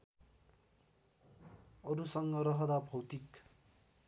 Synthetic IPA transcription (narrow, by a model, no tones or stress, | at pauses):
ʌɾusʌŋɡʌɾʌɦʌd̪abʱʌwt̪ik